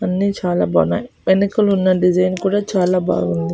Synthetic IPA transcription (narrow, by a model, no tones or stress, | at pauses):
ɐnːiːt͡ʃaːlaːbɐ̰na̰ːji | enikɐlunːɐɖid͡ʒɐjnkuːɽaːt͡ʃaːlaːba̰ːɡund̪i